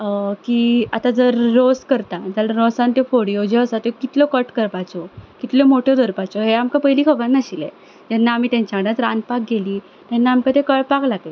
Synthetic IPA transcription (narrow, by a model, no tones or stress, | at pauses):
kiːat̪ad͡zəɾːoskəɾt̪at̪alaɾosãnt̪efoɽijod͡ʑeəsat̪ɔkit̪lɔkəʈkəɾpat͡sɔkit̪lɔmoʈʰjɔd̪ʱəɾpat͡sɔɦeamkapəɦiliːkʰəbãnːaɕilḛ̃ | d͡ʑɛnːaːmiːt̪jãɲt͡ɕakɽãt̪ɾãnd̪pak̚ɡeliː | t̪ɛnːaamkat̪ekəɭpaklaɡle